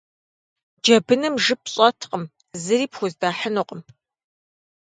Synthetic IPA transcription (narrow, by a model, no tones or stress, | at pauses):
d͡ʒɐbɨnɨmʐɨp̚ʰɕʼɐtʰqʼəm | zɨɾiːpxʷʊzdaːħənuqʼəm